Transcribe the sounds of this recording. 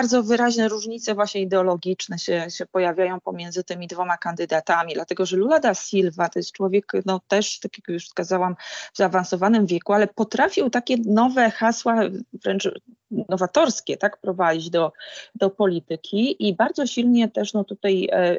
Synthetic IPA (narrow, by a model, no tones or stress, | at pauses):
baɾd̪zɔvɘɾaʑnɛɾuʐɲit̪sɛvwaɕɲɛid̪ɛɔlɔɡʲit͡ʂnɛɕɛɕɛpɔjavʲjajɔ̃w̃pɔmʲjɛnd̪zɘt̪ɘmʲid̪vɔmakand̪ɘd̪at̪amʲid̪lat̪ɛɡɔʐɛlulad̪asʲilvat̪ɔjɛst̪̚t͡ʂwɔvʲjɛknɔt̪ɛʂt̪akʲjakjuʂfskazawamvzaːvansɔvanɘmvʲjɛkualɛpɔt̪ɾafʲiwt̪akʲɛnɔvɛxaswavɾɛnt͡ʂ | nnɔvat̪ɔɾskʲɛt̪akpɾɔvad͡ʑid͡ʑd̪ɔd̪̥ɔpɔlʲit̪ɘkʲʰiʔibaɾd̪zɔɕilɲɛt̪ɛʂnɔt̪ut̪aj